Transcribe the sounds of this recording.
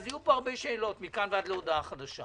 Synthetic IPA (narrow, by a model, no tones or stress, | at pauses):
zajupoaʁbeʃeːlo̞tmikanvead̪leod̪aaχad̪aʃa